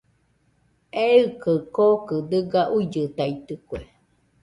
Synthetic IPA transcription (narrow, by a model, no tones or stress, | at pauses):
eɯkəkokɨd̪ɨɡaʔuid͡ʒɨt̪ait̪ɨkwe